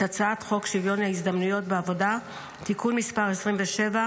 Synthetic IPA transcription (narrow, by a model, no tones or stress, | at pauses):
at͡saatχo̞kʃivjo̞nhaizdamnujo̞t̚beavo̞da | tikunmispaʁesʁimveʃe̞va